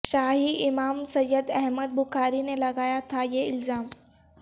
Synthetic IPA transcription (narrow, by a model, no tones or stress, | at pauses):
ʃaːɦiɪmaːmsɐjːəd̪ɛɦməd̪̚bʊxaːɾinelɐɡaːjat̪ʰajeɪlzaːm